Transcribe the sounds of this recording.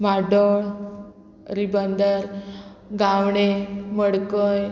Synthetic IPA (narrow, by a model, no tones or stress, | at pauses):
maɖoɳ | ɾibənd̪əɾ | ɡawɳeməɽkəj